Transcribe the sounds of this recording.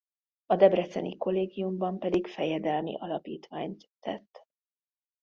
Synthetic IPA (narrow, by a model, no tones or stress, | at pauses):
ɒd̪ɛbrɛt̪sɛ̰nḭko̞lːeːɡijumbɒmpɛd̪ikfɛjɛd̪ɛlmḭʔɒlɒpḭːt̪ʋaːɲt̪ːɛ̰t̪ː